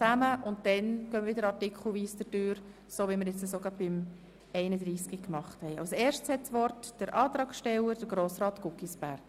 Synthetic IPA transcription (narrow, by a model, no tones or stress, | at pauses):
t͡sæməʔʊntd̥ɛnɡ̥øːmɾʋɪdəɾɑrtikχl̩ˠʋiːsdədøːɾ | soːʋiməɾjɛt͡səsoːɡ̥ɑb̚b̥ɪm | ɛɪnəd̪ɾiːskikmɑχthɛɪɑ̰ʊsɛːɾʃtshɛtsʋɔrtd̥əɾʔɑːt̪ɾɑːksʃtɛwəɾd̥əɾɡɾoːsrɑːt̪ɡʊkisb̥æɾk